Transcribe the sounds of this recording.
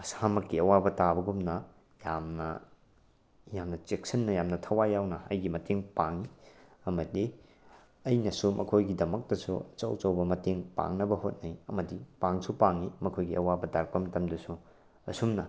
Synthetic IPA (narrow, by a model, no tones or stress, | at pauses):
ɐsamɐkːiɐwabɐtabɐɡumnɐ | jamnɐ̰ | jamnɐt͡ʃek̚sɐnːɐjamnɐtʰɐwajːawnɐɐ̰jɡimɐteŋpaŋiɐmɐdi | ɐjnɐsumʔɐ̰kʰojɡidɐmɐk̚tɐsṵt͡ʃɐwt͡ʃɐwbɐmɐteŋpa̰ŋnɐbɐhot̚nɐjɐmɐdipaŋsupaŋimɐkʰojɡiɐwabɐdaɾk̚pɐmɐtɐmdɐsu | ɐsumnɐ